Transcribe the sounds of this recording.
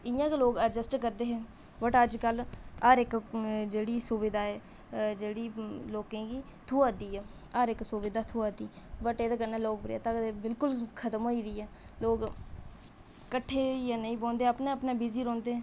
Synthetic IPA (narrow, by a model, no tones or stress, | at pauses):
ɪjãːkːloːɡəɾd͡ʒəsʈkəɾd̪eːɦɛ̃ː | bəʈəd͡ʒkəlaːɾɪkd͡ʒeːɽiːsʊʋɪd̪aːɛː | d͡ʒeːɽiːloːkẽːɡiː | t̪ʰuːaːd̪iːɛː | aːɾɪksʊʋɪd̪aːt̪ʰuːad̪iː | bəʈeːd̪aːkənːãːloːkbɾa̰ːt̪aːbɪlkʊlkʰət̪əmɦoːiːd̪iːɛː | loːɡ | kəʈʰːeːijaːnəĩːbõːnd̪eːəpnaːəpnaːbiziːɾɔ̃ːnd̪eːɛ̃ː